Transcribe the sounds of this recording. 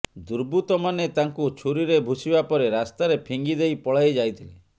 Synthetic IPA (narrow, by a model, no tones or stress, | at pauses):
d̪uɾbut̪ɔmanet̪aŋkut͡ʃʰuɾiɾebʱusibapɔɾeɾast̪aɾepʰiŋɡid̪ejpɔɭajd͡ʒajt̪ʰile